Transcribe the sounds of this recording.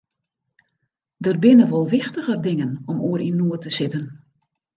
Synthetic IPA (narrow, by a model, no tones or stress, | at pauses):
dərbɪnəʋolˠʋɪxtəɣərdɪŋənɔmuəɾʔinuətəsɪtən